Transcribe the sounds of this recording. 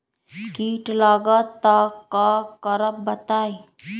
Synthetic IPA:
kiːʈlaːɡat̪ːakakəɾəp̚bət̪aːi

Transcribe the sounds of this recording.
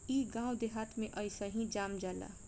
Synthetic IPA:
iɡãːw̃d̪eɦat̪ʰmẽʔʌjsəɦĩd͡ʒaːmd͡ʒala̰

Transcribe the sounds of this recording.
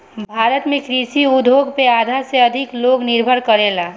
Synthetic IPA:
bbʱaːɾət̪mẽkɾisiʊd̪ʱoɡpeaːd̪ʱaseɐd̪ʱɪkloːɡnɪɾbʱəɾkəɾela

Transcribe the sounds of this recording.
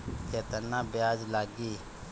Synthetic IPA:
ket̪ənãːbjaːd͡ʒlaːɡiː

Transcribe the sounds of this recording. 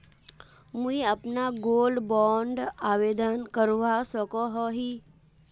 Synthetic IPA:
mũiapnaɡolɖbɔɳɖaʋed̪ənkəɾʋasəkɔɦɔɦi

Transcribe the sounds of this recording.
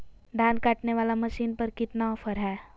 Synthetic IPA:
d̪ʱãːnkaːʈneʋaːlaməʃiːnpəɾkɪt̪naɔfʰəɾɦɛː

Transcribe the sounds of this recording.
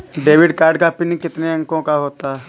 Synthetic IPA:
ɖeːʋɪɖkaːɾɖkapinĩkɪt̪neɐ̃ŋkõkaɦoːt̪aɛ

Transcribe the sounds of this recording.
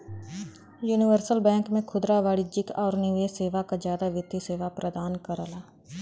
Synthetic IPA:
juːnɪʋəɾsəlbɛ̃ːŋkmẽkʰʊd̪ɾaʋaːɽid͡ʒɪkɔːɾnieseːʋakazjaːd̪aʋɪt̪ːiseːʋapɾʔəd̪aːnkəɾalaː

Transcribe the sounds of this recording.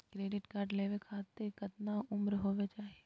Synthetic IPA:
kɾeːɖɪʈkaːɾɖleːʋekʰaːt̪ekɐt̪naʊmɾɦoːʋet͡ʃaːɦie

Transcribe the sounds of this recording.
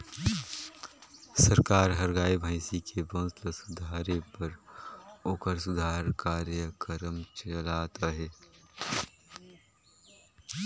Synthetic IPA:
səɾkaːɾɦəɾɡaːibʱaɪsikʰebõːsləsʊd̪ʱaːɾepəɾ | oːkəɾsʊd̪ʱaːɾkaːɾjəkəɾəmt͡ʃəlaːt̪aɦɛː

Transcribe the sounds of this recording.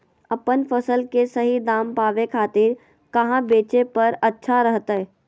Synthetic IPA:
ɐpənfəsəlkesɐɦid̪aːmpaːʋekʰaːt̪ɪɾ | kɐɦãbeːt͡ʃepɐɾɐtːʃʰaɾəɦt̪ɛː

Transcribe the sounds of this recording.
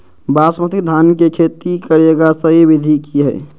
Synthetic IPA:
baːsmət̪id̪ʱaːnkekʰeːt̪ikəɾeɡasəɦiʋɪd̪ʱikiɦɛː

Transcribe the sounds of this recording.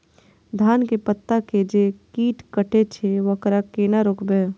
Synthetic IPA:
d̪ʱaːnkepət̪ːaked͡ʒekiːʈkəʈʰet͡ʃʰeʋɐkɾakeːnaɾoːkbeː

